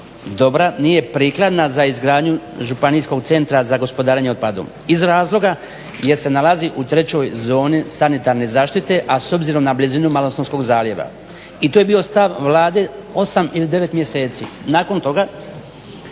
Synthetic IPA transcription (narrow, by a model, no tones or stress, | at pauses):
d̪o̞bɾanije̞pɾiːklˠad̪nazaizɡɾaːd̪ɲuʒupaniːsko̞ɡt̪se̞nt̪ɾazaɡospo̞d̪aːɾeɲeo̞d̪̚pad̪ṵ | izɾaːzlˠo̞ɡa | je̞ɾse̞nalaziʔut̪ɾe̞t͡ɕo̞jzo̞ːnisanit̪aɾne̞zaːʃt̪it̪e̞ʔaso̞bziɾo̞mnablizinumalosonsko̞ɡzaːlje̞ʋa̰ | it̪oje̞bio̞st̪aʋʋlˠaːd̪e̞o̞samilid̪e̞ʋe̞t̪mje̞se̞ːt̪sinaːko̞nt̪o̞ɡa